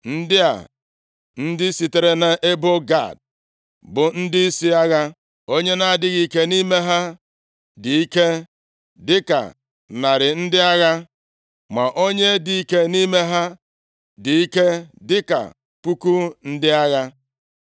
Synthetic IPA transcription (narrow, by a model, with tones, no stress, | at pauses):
n̩˦dɪ˦a̰˨ | n̩˦dɪ˦si˨te˨ɾe˦na˨ʔe˦bo˦ɡa̰˦˨d̚ | bʊ˨n̩˦dɪ˦i˦si˦a˦ɣa˦ | o˦ɲe˦na˨a˨dɪ˦ɣi˨˦ke˦ni˦me˦ɦa˦ | di˨i˦ke˦ | dɪ˦ka̰˨ | na˨ɾɪ˨n̩˦dɪ˦a˦ɣa˦ | ma˨ʔo˦ɲe˦di˨i˦ke˦ni˦me˦ɦa˦ | di˨i˦ke˦dɪ˦ka̰˨ | kʷu˦ku˦n̩˦dɪ˦a˦ɣa˦